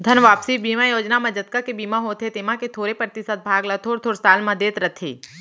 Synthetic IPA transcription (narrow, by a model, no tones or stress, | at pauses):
d̪ʱənʋaːpsibiːmajoːd͡ʒnamɐd͡ʒət̪̚kakebiːmaɦot̪ʰet̪emaket̪ʰoːɾepɾət̪ɪsət̪̚bʱaːɡlɐt̪ʰoːɾt̪ʰoːɾsaːlmɐd̪eːt̪ɾɐt̪ʰḛː